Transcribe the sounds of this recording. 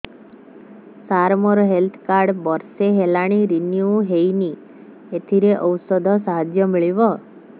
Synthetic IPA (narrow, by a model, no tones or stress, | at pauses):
saɾmɔɾɔɦelt̪ʰkaɾɖbɔɾseɦelaɽ̃iɾinjuɦejni | et̪ʰiɾeʔɔwsɔd̪ʱɔsaɦad͡ʒjɔmiɭibɔ